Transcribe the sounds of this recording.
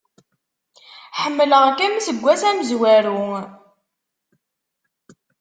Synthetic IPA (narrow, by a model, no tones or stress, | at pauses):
ħəmːələʁkæmsəɡʷːæsæməzwæɾu